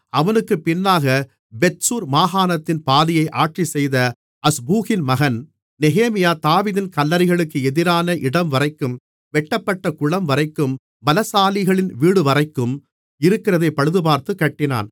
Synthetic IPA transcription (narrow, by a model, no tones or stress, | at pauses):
ɐʋɐnɯkːɯpɪnːaːɣɐ | bɛtsuːɾmaːɣaːnɐt̪ːɪnpaːðɪjɐɪʔaːʈrisɛjðɐ | ɐsbuːɣɪnmɐɣɐn | nɛɣeːmɪjaːt̪aːʋiːðɪnkɐlːɐɾɪɣɐɭɯkːɯɛðɪɾaːnɐʔɪɽɐmʋɐɾɐɪkːɯm | ʋɛʈːɐpːɐʈːɐkʊɭɐmʋɐɾɐɪkːɯm | bɐlɐsaːlɪɣɐɭɪnʋiːɽɯʋɐrɐɪkːɯm | ɪɾɯkːɪrɐðɐɪpːɐɻɯðɯbaːɾt̪ɯkːɐʈːɪna̰ːn